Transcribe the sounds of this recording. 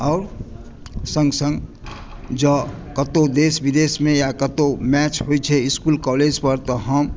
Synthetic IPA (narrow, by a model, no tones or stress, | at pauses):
ɔːɾ | sə̃ŋɡsə̃ŋɡ | d͡ʒəkət̪od̪eːsbɪd̪eːsmẽjakət̪omɛːt͡ʃɦoit͡ʃʰɛɪskuːlkɔːleːd͡ʒpəɾt̪ɔɦəm